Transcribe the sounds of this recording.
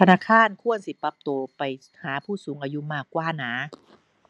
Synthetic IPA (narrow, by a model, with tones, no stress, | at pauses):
t̪ʰa˧naː˧˥˨kʰaː˧˥˨nkʰu˥˩ənsi˨˦pa˦˥p̚t̪oː˧pa˨j | haː˩˦pʰuː˥˩suː˩˦ŋʔaː˧ju˧maː˥˩kːwaː˧˥˩naː˩˦